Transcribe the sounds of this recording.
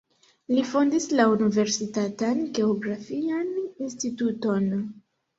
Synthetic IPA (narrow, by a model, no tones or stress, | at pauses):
lifondislaunive̞ɾsitatanɡe̞oɡɾafianinstituto̞n